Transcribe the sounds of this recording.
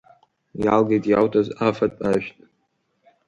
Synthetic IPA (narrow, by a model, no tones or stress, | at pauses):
jalɡejtʼjawtʰʼazafatʼaʃtʼ